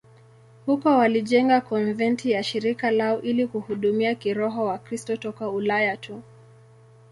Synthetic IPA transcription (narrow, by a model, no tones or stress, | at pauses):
hukɔwaliʄɛŋɡakɔnvɛntijaʃiɾikalaɔʔilikuhuɗumiakiɾɔɦɔwakɾistɔtɔkaulajatʰu